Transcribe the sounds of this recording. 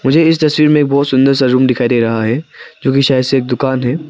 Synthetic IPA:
mʊd͡ʒʱeɪst̪ɐswiːɾmẽeːk̚bɔːt̪sʊ̃nd̪əɾs̬aɾuːmɖ̪ɪkʰaːid̪eːɾɐɦaɦɛd͡ʒoːkiʃaːjəd̪seeːk̚d̪ʊkaːnɦɛː

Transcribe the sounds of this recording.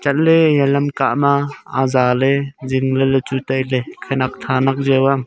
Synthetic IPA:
t͡ʃat̚lejalamkaʔmaazaleziŋlelɯt͡ʃutajlekʰanak̚t̪ʰanak̚zəwam

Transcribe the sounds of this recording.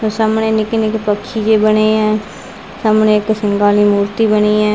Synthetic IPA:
oːsaːmɳeːnɪknɪkpəkʰːiːd͡ʒeːbəneːɛ̃ː | saːmɳẽːɪksɪŋɡaːliːmuːɾt̪iːbəniːɛ̃ː

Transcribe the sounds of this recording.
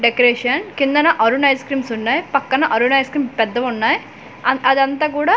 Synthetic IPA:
ɖekɐɾeːʂɐnkind̪ɐnɐʔɐɾunɐjskɾiːmsunːaːjpɐkːɐnɐʔɐɾunɐjskɾiːmpɛd̪ːɐʋunːaːj | ɐd̪ɐnt̪ɐk̬uːɽaː

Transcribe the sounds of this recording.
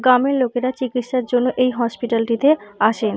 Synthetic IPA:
ɡɾameɾlokeɾat͡ɕikit̪ʃaɾd͡ʑonːoʔejɦɔspiʈalʈit̪eaʃen

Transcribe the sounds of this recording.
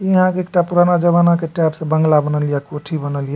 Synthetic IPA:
iɦãkeek̚ʈapuɾanad͡ʒəβanakeʈɛpsẽbəŋɡlabənəlijakoʈʰibənəlija

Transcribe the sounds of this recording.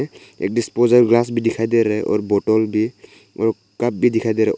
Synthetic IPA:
ɛ̰k̚dispɔzaɹɡlas̬bidikʰajd̪ɛɾɛʔɔ̰ɹbɔtɔlbi | ɔɹ | kap̚bidikʰajd̪ɛɾɛʔ

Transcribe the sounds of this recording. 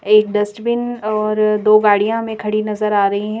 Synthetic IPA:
eːk̚ɖɐsʈbɪnɔːɾd̪oːɡaːɽijãmẽkʰɐɽinɐzəɾaːɾɐɦiɦɛ̃

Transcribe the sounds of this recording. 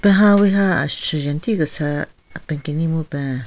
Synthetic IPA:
pẽɦãweɦa̰ʃt͡ʃujant̪ikasa | pẽŋkinĩmũpɛ̃

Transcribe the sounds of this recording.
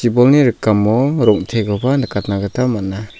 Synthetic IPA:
ibɔlniɾɯkːamːɔɾɔŋtʰeɡɔbanakat̚naɡɯtamat̚na

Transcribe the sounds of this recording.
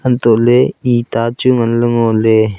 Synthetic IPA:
ənt̪oʔleiːt̪aːt͡ʃuŋənləŋole

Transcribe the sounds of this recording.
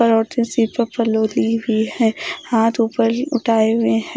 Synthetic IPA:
əɾɔːɾt̪ẽsipəpəloːliɦiɦɛ̃ːhaːt̪uːpəɾʊʈʰaːeɦʊẽɦɛ̃

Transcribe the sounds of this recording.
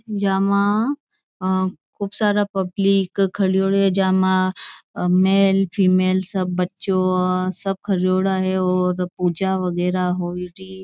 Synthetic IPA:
d͡ʒaːmã | kʰubsaːɾapɐbliːkʰːɐɽijoːɽɦɛd͡ʒaːmã | meːlpʰiːmeːlsɐbːɐtːʃosɐb̚kʰɐɽjoːɽaɦɛɔːɾpuːd͡ʒaʋɐɡɛːɾaɦoːiɖiː

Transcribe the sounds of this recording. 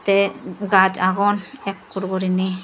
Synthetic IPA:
t̪ɛɡad͡ʒaɡɔnɛkːuɾɡɔɾini

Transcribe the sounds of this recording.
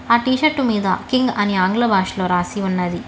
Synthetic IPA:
aːʈiːʃɐɾʈumiːd̪ɐ̰kiŋɡɐniaːŋɡlɐbaːʃlo̞ːɾaːsiunːɐd̪i

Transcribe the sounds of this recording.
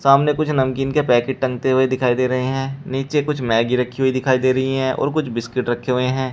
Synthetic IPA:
saːmnekʊt͡ʃʰnɐmkiːnkepɛːkɪʈ̚ʈɐ̃ŋɡt̪eɦʊed̪ɪkʰaːid̪eːɾɐɦeɦɛ̃ːniːt͡ʃekʊt͡ʃʰmɛːɡiɾɐkʰːiɦuid̪ɪkʰaːid̪eːɾɐɦiɦɛ̃ʔɔ̰ːɾkʊt͡ʃʰbɪskɪʈɾɐkʰːeɦʊeɦɛ̃ː

